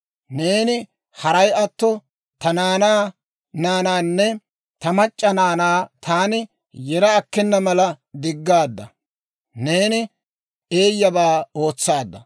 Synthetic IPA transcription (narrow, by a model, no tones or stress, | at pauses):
ne̞ːnɪ | hɐɾɐjɐt̪ːɔ | t̪ɐnaːnaː | naːnaːnːɛ | t̪ɐmɐt͡ʃʼːɐnaːnaːt̪aːnɪ | jɛɾɐːkːɛnːɐmɐlɐ | d̪ɪɡːaːd̪ːɐ | ne̞ːnɪ | e̞ːjːɐbaːo̞ːt͡sːaːd̪ːɐ